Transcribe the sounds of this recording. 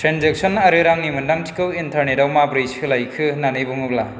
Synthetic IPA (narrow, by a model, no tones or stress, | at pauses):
tʰɾenzek̚sɔnɐɾɯɾaŋnimɯndaŋtʰi̥kɯwintʰaɾnetawmabɾijskʰɯlajkʰɯnanɯjbɯŋɯk̚la